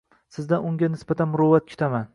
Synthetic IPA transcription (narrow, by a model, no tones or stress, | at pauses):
sɪzd̪aʊŋɡʲanɪsbat̪ʰanmʊɾɒvat̪̚kʲʰʊ̥t̪ʰaman